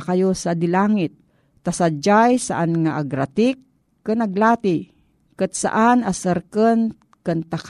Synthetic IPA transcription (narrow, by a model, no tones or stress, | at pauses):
kajosad̪ɪlaːŋɪt̪̚ː | asad͡ʒajsaʔanŋaʔaɡɾat̪ɪkː | ɨnaɡlaːt̪ɪ | kɨt̪̚sa̰ʔanasəɾkən | kɨnt̪ak